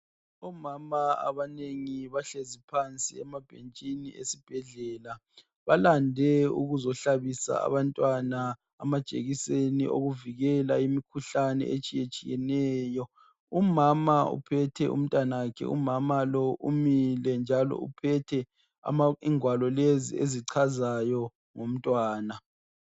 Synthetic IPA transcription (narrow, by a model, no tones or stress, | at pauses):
ɔmamaa̰βaneŋiβaɬezipʰant͡sʼiɛmab̥ʱent͡ʃʼinḭesib̥ʱɛɮɛːla | βalandʱɛṵɣuzɔɬaβisa̰a̰βantʼwana | amad̥ʒ̥ʱʼḛɣisenḭo̰ɣuviɣɛlaimikʰuɬanɛ̰ʔet͡ʃʼijet͡ʃʼijɛnɛːjɔ | umamaṵpʰɛtʰɛʔṵm̩tʼanawakʰɛ̰ṵmamalɔʔumilɛnd͡ʒʱalɔ̰upʰɛtʰɛ | a̰aiŋwalɔlezḭeziǀʰazajɔ | ŋom̩tʼwaːna